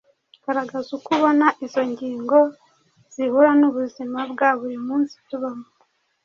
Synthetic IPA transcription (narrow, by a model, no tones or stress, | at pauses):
ɡ̥aɾaɡazukuβo̞naʔizo̞ɲɟiːŋɡo̞ | z̥ihuɾanuβuzimabɡaːβuɾimuːnsi̥tuβamo